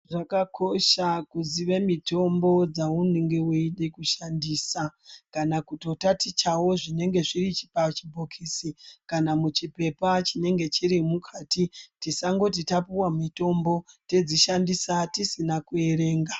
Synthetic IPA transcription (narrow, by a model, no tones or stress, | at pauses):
ʐakakʰo̞ʃakuziʋe̞mito̞mbo̞d͡zauneŋɡe̞uiɗekuʃandiːsakanakuto̞tatit͡ʃawo̞ʐine̞ŋɡe̞ʐirit͡ʃi̥pat͡ʃibʱokʰisikanamut͡ʃipe̞pat͡ʃine̞ŋɡe̞t͡ʃiɾimukʰaːtitisaŋɡo̞t̬itapuwamito̞mbo̞te̞d͡ziʃandisatisinakueɾe̞ːŋɡa